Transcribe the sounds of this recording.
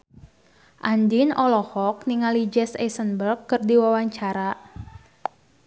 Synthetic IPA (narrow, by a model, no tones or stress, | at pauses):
ʔandinɔlɔhɔk̚niŋalid͡ʒɛsɛ̰sənbərkːɨrdiwawaɲt͡ʃaɾa